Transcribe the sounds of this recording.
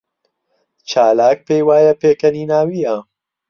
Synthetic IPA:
t͡ʃaːlaːk̚peːjwaːjɐpeːkɐniːnaːwiːjɐ

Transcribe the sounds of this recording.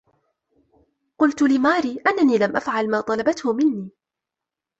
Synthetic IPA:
qʊlt̪ʊlɪmaːɾiːʔanːaniːlamʔafʕalmaːt̪ˤɑlɑbat̪hʊmɪnːiː

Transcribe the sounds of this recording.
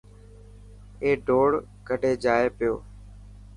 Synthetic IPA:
eːɖʱoːɽ | kəɖʱeːd͡ʒaːeːpɪjoː

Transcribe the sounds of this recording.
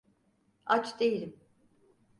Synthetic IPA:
at͡ʃd̪ejilʲim

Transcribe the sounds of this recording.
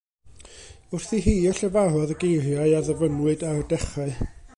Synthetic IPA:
ʊrθiɦiːɔɬɛvaɦɔðəɡejrjaɨaðəvənwɨdardɛχaɨ

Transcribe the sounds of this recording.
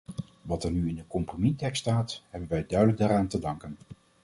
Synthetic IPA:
ʋɑtɛɹnyɪndəkɔmpromitɛkstaːtɦɛbənʋɛjdœɥdələɡ̚daːɾaːntədɑŋkən

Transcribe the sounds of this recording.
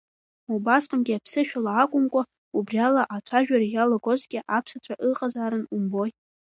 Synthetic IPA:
mubasqʼamɡʲiapʰsɨʃᶣalaːkʷʼʊmkʷʼa | ubrialaʔat͡ʃʷʰaʒᶣaɾajalaɡo̞zɡʲɪʔapʰsat͡ʃʷʰaʔɨqʼazaːɾɨnumboj

